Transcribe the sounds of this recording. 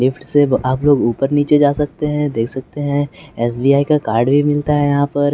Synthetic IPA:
lɪfʈseaːploːɡuːpəɾniːt͡ʃed͡ʒaːsɐk̚t̪eɦɛ̃d̪eːkʰsɐk̚t̪eɦɛ̃ɛːsbiːaːikakaːɾɖbʱimɪlt̪aɦɛjɐɦãpɐɾ

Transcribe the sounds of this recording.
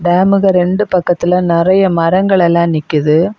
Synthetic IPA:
ɖaːmɯɣɐɾɛɳɖɯpɐkːɐt̪ːɪlɐnɪrɐjɐmɐɾɐŋɡɐɭɛlːãːnɪkːɯðɯ

